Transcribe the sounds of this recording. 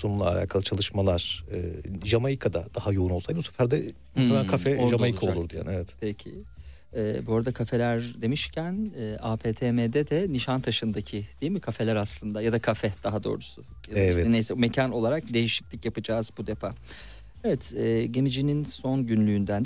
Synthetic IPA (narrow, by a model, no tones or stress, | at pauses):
sonulˠa̰ːlʲʔa̰ːkʰalˠɯt͡ʃʰalˠɯʃmalˠaɾ̥ɯːʒamajikʰad̪ad̪ahajouno̞lˠsajbusɛ̥fæɾd̪ɛ | ɛmækʰafɛʒamajikʰaolˠuɾd̪uja̰nɛvɛt̪pʰecʰɪ̰ | ɛːboɾd̪akʰafe̞lʲæɾd̪e̞miʃcʰænɛːʔaːpʰeːt̪ʰeːmeːd̪ɛd̪ɛniʃant̪ʰaʃɯnd̪acʰɪd̪̥ejilʲmikʰafe̞lʲæɾaslˠɯnd̪ajad̪akʰafɛd̪̥aɦad̪o̞̰ːɾusʊ | jad̪ɛɛvɛɛnejsɛme̞cʰano̞lˠaɾak̚d̪e̞jiʃi̥clʲicjapɯd͡ʒaːzbud̪e̞fa | evɛt̪ʰɛːɟe̞mid͡ʒininso̞nɟynlʲyːnd̪ænd̪